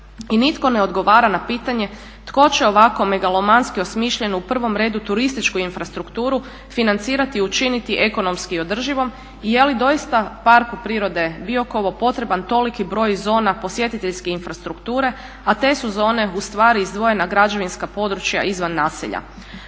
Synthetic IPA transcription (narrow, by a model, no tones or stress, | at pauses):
init̪ko̞ne̞o̞d̪ɡo̞ʋaːɾanapiːt̪aɲe̞ | t̪ko̞t͡ɕeo̞ʋako̞me̞ɡalˠo̞manskio̞smiːʃʎe̞nuupr̩ʋo̞mɾe̞ːd̪ut̪uɾist̪it͡ʃkuinfɾast̪ɾukt̪uːɾu | finant̪siːɾat̪iut͡ʃinit̪iʔe̞ko̞no̞mskio̞d̪r̩ʒiʋo̞m | ije̞lid̪o̞ist̪apaɾkupɾiːɾo̞d̪e̞bio̞ko̞ʋo̞po̞t̪ɾe̞bant̪o̞likibɾo̞jzo̞ːnapo̞sje̞t̪it̪e̞ʎskeinfɾast̪ɾukt̪uːɾe̞ | at̪e̞ːsuzo̞ːne̞ust̪ʋaːɾiizd̪ʋo̞je̞naɡɾad͡ʒo̞ʋinskapo̞d̪ɾut͡ʃja̰ʔizʋanːaːsḭʎa̰